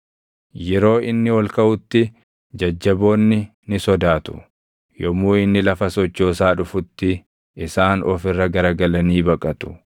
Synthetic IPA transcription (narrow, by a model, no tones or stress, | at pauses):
jɛɾo̞ːʔɪnːɪwɐlkɐʔʊt̪ːɪ | d͡ʒɐd͡ʒːɐbo̞ːnːɪ | nɪsɔd̪aːt̪ʊ̥̰ | jɔmuːɪnːɪlɐfɐsɔt͡ʃːo̞ːsaːᶑʊfʊt̪ːɪ | ɪsaːnɔ̰fɪrːɐɡɐɾɐɡɐlɐniːbɐkʼɐt̪ʊ̥